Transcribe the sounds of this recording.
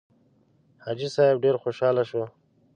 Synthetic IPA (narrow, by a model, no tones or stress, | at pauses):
had͡ʒisɑɪb̚ɖeɾxoʃɑːlaʃo